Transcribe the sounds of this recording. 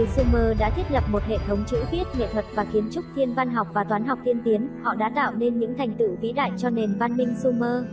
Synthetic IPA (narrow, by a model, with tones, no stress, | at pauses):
su˧məː˧ɗa̰ː˧˥t̪ʰi˦˥ət̚lə˨˩p̚mo˨˩t̚hḛ˧˨t̪ʰə˨˦wŋ͡mt͡ɕɨ̰˧˥vi˦˥ət̚ɲḛ˧˨t̪ʰwə˨˩t̚vaː˨˩xi˨˦ənt͡ɕʊ˦˥k͡p̚t̪ʰi˧ənva˧nɦa˨˩wk͡p̚vaː˨˩t̪waː˨˦nɦa˨˩wk͡p̚t̪ʰi˧ənt̪i˨˦ənhɔ̰˧˨ɗa̰ː˧˥t̪a̰ː˧˨wne˧nɲɨ̰˧˥ŋt̪ʰa˨˩jŋ̟t̪ɨ̰˧˨kḭ˧˥ɗa̰ː˧˨jt͡ɕɔ˧ne˨˩nva˧nmï˧ŋ̟su˧məː˧